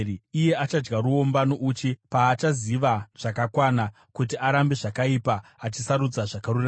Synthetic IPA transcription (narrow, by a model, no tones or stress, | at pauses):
ije̞at͡ʃad͡ʒɡaɾuo̞mbanoʔut͡ʃipaːt͡ʃaziʋaʐ̥akakwana | kutiaɾambe̞ʐakaipaːt͡ʃisaɾud͡zaʐakarura